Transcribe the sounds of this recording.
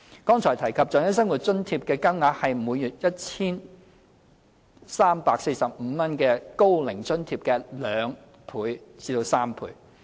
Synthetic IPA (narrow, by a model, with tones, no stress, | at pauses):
kɔː˥ŋt͡ʃʰɔː˨˩jt̪ʰɐ˨˩jkʰɐ˨p̚t͡sœː˨˧ŋjɐ˥s̬ɐ˥ŋwu˨t̚t͡sɵ˥nt̪ʰiː˧p̚kɛː˧kɐ˥mŋaː˨˥hɐ˨jmuː˨˧jyː˨˩t̚jɐ˥t̚t͡sʰiː˥n | saː˥mpaː˧k̚se˧jsɐ˨p̚m̩˨˧mɐ˥nkɛː˧ko˥wlɪ˨˩ŋt͡sɵ˥nt̪ʰiː˧p̚kɛː˧lœː˨˧ŋ | pʰuː˨˧jt͡siː˧t̪o˧wsaː˥mpʰṵː˨˥j